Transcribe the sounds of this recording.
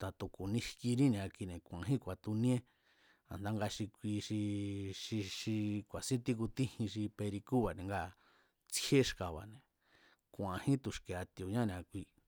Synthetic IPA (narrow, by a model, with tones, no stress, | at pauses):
t̪a˨t̪u˨ku˨nĩ˧ʃki˧nĩ˦nĩ˨a˧ki˧nẽ˨kʷã˨ɦĩ˦kʷa˨t̪u˧nĩ˦ẽ˦ | a̰˨nd̪a˧ŋɡa˧ʃi˧kʷi˧ʃi˧ʃi˧ʃi˧kʷa˨sĩ˦t̪i˦˧ku˧t̪ĩ˦hĩ˧ʃ̬i˧pe˧ɾi˧ku˦βa˨nẽ˨ŋɡa˧˨ | t͡si˦e˦ʃka˨βa̰˨nẽ˨ | kʷã˨hĩ˦t̪u˨ʃke˨a˧t̪i˧o˨ɲã˦nẽ˧˨a˧kʷi˧